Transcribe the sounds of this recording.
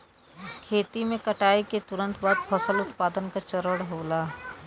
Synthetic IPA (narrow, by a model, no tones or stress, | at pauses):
kʰeːt̪imẽkɐʈaːiket̪ʊɾə̃nt̪baːd̪̚pʰɐsəlʊt̪paːd̪ənkat͡ʃɐɾəɽɦoːlaː